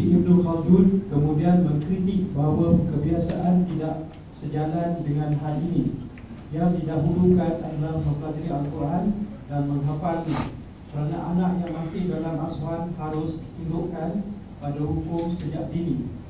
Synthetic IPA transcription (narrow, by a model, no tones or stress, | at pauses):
ʔibnokadud̚kəmũdianmə̃ŋkɾit̪ik̚baɦawakəbiasa̰ʔant̪idaʔ | səd͡ʒalandəŋãnɦalinĩ | jaŋdidaɦulukana̰dalahməpat̪ɾiant̪uandanmə̃ŋɦəpat̪i | kəɾana̰ʔa̰naʔjaŋmasɪhdalamaswanhaɾʊsdit̪indoʔkan | padaɦukʊmsəd͡ʒa̰ʔdini